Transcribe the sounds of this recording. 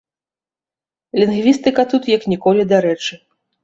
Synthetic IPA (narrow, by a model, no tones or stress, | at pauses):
lʲinɣvʲist̪ɨkɐt̪ut̪jɐknʲikɔlʲid̪aɾɛt͡ʂɨ